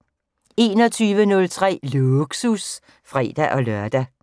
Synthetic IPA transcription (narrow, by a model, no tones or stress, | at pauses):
e̝ːnɒ̽t͡sʰyːʋənɔ̽lt͡sʰʁɛ̰ːluɡ̥sus | fʁɛ̰ːd̥æʔɒ̽lɶɐd̥æ